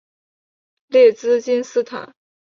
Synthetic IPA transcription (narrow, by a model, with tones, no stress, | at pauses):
ljɛ˥˩t͡sɹ̩˥t͡ɕi˥nsɹ̩˥t̪ʰa̰˨˩˦n